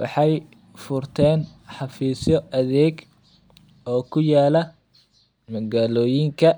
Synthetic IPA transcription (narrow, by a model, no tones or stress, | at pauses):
wʔɑ̰ħɑj | fʊrt̪ʰɛːnħɑfiːsjɔɐðɛːɡ | ɔːkʰʊjaːlɐ | mɐɣaːlɔːjɪŋkʰɐ